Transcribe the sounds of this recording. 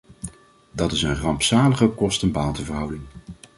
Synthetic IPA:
dɑtɪsənχrɑmpsaːləχɔkɔstənbaːlˠtəvərɦʌwdɪŋ

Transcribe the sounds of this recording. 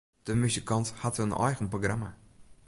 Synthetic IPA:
d̥əmysikɔnthatənʔɔ̰jɣənproɡrama

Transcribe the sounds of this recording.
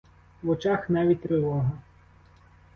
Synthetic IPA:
ʋɔt͡ʃɑxnɑʋʲit̚ʲt̪ɾɪlˠɔɦɐ

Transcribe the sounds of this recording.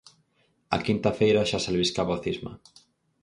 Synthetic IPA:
a̰kint̪afejɾaʃasalβiskaβoθizma̰

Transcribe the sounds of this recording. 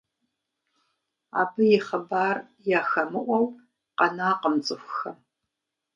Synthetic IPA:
a̰ːbɨjɪχɐbaːr | jaːxɐmɨʔʷɐw | qɐnaːqəmt͡sʼɨxʷxɐ

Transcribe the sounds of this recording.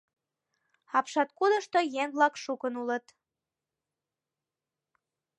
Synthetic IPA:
ɑpʃɑt̪̚kud̪əʃt̪ojeŋblɑkʃukənulət̪

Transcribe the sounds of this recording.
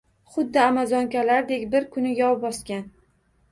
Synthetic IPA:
χʊd̪ːɪamazɒŋkʲalaɾd̪e̞kʲbɪɾkʰʊnɪjɒbɒskʲan

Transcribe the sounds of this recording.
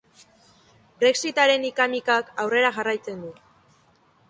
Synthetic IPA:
bɾe̞ksit̪aɾe̞nikamikakawre̞ɾaʝarajt͡se̞nd̪u

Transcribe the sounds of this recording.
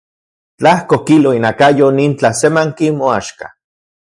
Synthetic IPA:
t͡ɬahkokiloinakajonint͡ɬasemaŋkimoaʃka̰

